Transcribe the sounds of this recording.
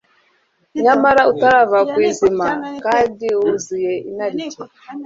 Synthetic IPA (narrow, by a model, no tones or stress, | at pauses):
ɲamaɾautaɾavakwiːzimakaːndiuzijeinaɾice